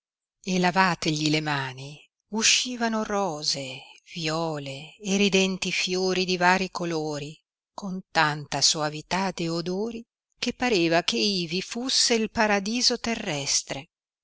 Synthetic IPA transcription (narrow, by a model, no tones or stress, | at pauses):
elavaːt̪eʎilemaːni | uʃːiːvanorɔːzevjɔːleːrid̪ɛnt̪ifjoːɾid̪ivaːɾikoloːɾi | kont̪ant̪aswavit̪ad̪eod̪oːɾi | kepːaɾeːvakeiːvifusːeilpaɾad̪iːzot̪erːɛst̪ɾe